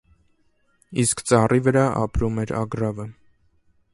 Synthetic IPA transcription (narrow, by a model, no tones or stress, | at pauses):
iskt͡sɑrivəɾɑʔɑ̰pɾumɛɾɑ̰ɡɾɑvə